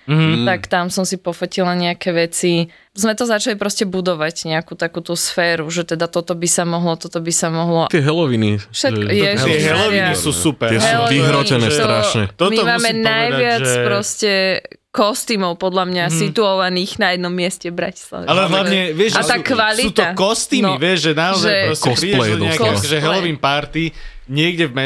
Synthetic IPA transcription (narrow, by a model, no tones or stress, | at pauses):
t̪akt̪amsɔmsipɔfɔcilaɲɛakɛːʋɛt͡si | zmɛt̪ɔzat͡ʃalipɾɔscɛbud̪ɔʋaɟɲɛakuːt̪akuːt̪uːsfɛːɾuʒɛt̪ɛd̪at̪ɔt̪ɔbisamɔɦlɔt̪ɔt̪ɔbisamɔɦlɔt̪ɛɦɛlɔʋiniʃɛkjɛɛɦɛlɔʋiisusupɛɾɪɛsɦɛulɔviɦɾɔcɛnɛːst̪ɔɾaʃɲɛt̪ɔmiɔmaːmɛnajʋɪat͡spɾɔscɛkɔst̪iːmɔʊpɔd̪ʎamɲasit̪uɔʋaniːɣnajɛd̪nɔmːɪɛscɛbɾa̰ci̥sla̰ʋɛ̰alɛɦlaɲɛʋɪɛʒat̪akʋalsiuːt̪ɔakɔst̪iːmmiʋɪɛʒʒɛnaɔzaɛɾɔscɛɛpɾiːɟɛɔɲɛakɔʒɛɦɛlɔʋinpaɾt̪i | ɲɪɛɡɟɛvmɛ